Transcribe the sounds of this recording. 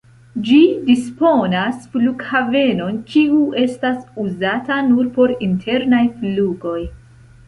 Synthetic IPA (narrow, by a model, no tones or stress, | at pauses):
d͡ʒidispo̞nasfluɡhave̞no̞nkiue̞stasuzatanuɾpo̞ɾintʰe̞ɾnajfluɡo̞j